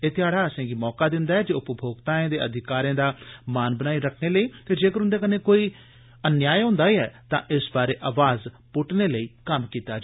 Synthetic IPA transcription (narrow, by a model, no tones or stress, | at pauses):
eːt̪ɪjaːɽaːəsẽːɡiːmɔːkaːd̪ɪnd̪aːɦɛːd͡ʒeːʊpəbʱoːɡt̪aːẽːd̪eːʔəd̪ʱɪkaːɾãːd̪aːmaːnbənaːiːɾəkʰneːləiːt̪eːd͡ʒeːkəɾʊnd̪eːkəneːkoːiː | ənjaːjɦõːnd̪aːiːɛːt̪ãːʔɪsbaːɾeːʔaːʋaːz | pʊʈneːləiːkəmkiːt̪aː